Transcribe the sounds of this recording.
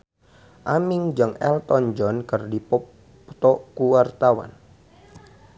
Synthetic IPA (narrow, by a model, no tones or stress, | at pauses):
ʔamɪŋd͡ʒaŋɛ̰lt̪ɔnd͡ʒɔnkərdipɔ | t̪ɔkuwart̪awa̰n